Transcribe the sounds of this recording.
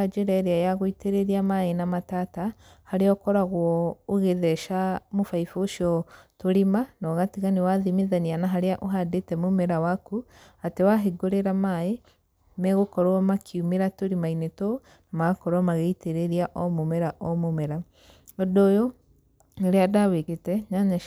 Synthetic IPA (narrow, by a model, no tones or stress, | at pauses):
ad͡ʒeɾaeɾeajaɣoiteɾeɾiamaenamatata | haɾeɔkɔɾaɣwɔːɣeðɛʃamofaifoʃiɔtoɾimanɔɣatiɣanewaðimiðanianaɦaɾeaʔoɦadetɛmomɛɾawaku | atewaɦeɡoɾeɾamae | mɛɣokɔɾwɔmakʰiumeɾatoɾimainetɔ | namaɣakɔɾwamaɣeiteɾeɾiaʔɔmomɛɾaʔɔmomɛɾa | ɔdɔːjɔ | eɾeadaweketɛɲaɲa